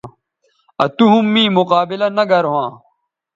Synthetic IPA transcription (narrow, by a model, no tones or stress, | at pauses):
ɐ̰t̪uɦumːĩːmʊqaːbilɐnɐɡɐɾɦãː